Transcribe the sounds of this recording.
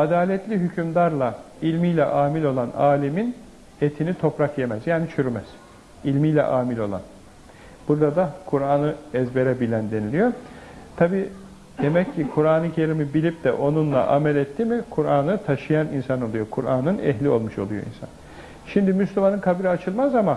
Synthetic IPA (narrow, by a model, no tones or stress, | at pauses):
ad̪aːlʲɛt̪lʲiɦycʰymd̪aɾlˠa | ilʲmijlʲɛ̰ʔaːmilʲo̞lˠanaːlʲimin | et̪ʰinit̪ʰo̞pɾakje̞mɛzjaːnit͡ʃʰyɾymɛz̥ | ilʲmijlʲɛ̰ʔaːmilʲo̞̰lˠa̰n | b̥uɾd̪ad̪akʰuɾaːnɯɛzbe̞ɾɛbilʲænd̪e̞nilʲijo̞ | t̪ʰabiː | d̪e̞mɛcːikʰuɾaːnɯcʰe̞ɾimibilʲip̚d̪ɛʔo̞nunlˠa̰ʔamɛlʲɛt̪ːimikʰuɾaːnɯt̪ʰaʃɯjaninsano̞lˠujo̞kʰuɾaːnɯnɛ̰ɦlʲio̞̰lˠmuʃo̞lˠujo̞̰ḭnsa̰n | ʃimd̪imyslʲumanɯnkʰabiɾiat͡ʃʰɯlˠmazama